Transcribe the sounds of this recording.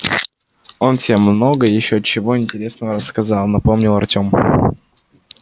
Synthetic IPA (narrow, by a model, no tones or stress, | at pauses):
o̞nsʲemːno̞ɡəjɪɕːoət͡ɕːɪvo̞ɪnʲtʲɪɾʲe̞snəvəɾəskɐzɑlˠnɐpo̞mnʲɪlˠɐrtʲo̞m